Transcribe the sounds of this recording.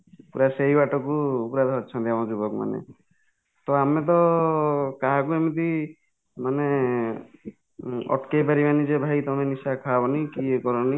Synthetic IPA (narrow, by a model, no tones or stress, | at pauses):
puɾasejbaʈɔkuːpɾad̪ʱɔɦɔt̪t͡ʃʰɔnt̪jamɔ̃d͡ʒubɔkma̰nḛ | t̪ɔamet̪̬ɔ | kaɦak̬uemit̪i | mane | ɔ̰ʈkejpaɾimanid͡ʒebʱajt̪ɔmenisakʰabɔnikiekɔɾɔni